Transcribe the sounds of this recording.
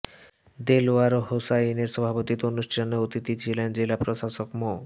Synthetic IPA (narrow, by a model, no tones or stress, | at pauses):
d̪eloaɾoɦosaineɾʃɔbʱapot̪it̪oonuʃʈʰaneot̪it̪it͡ɕʰilend͡ʑelapɾoʃaʃokmo